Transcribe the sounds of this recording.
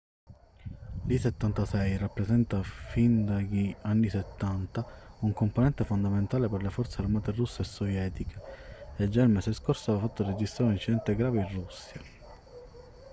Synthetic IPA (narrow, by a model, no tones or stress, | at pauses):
liset̪ːant̪asɛjrapːɾesɛnt̪afind̪aʎianːiset̪ːant̪auŋkomponɛnt̪efond̪ament̪aːleperlefɔrt̪searmaːt̪erusːeːsːɔvjɛːt̪ikʰeed͡ʒːailmɛseskorsoavafat̪ːored͡ʒist̪ɾaːɾeunint͡ʃːid̪ɛnt̪eɡɾaːveirusːja